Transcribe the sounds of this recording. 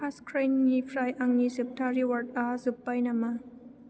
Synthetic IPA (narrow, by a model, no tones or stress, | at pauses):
askʰɾanːifɾajʔaŋnisɯp̚t̪ʰaɾiwat̪̚azupːajnama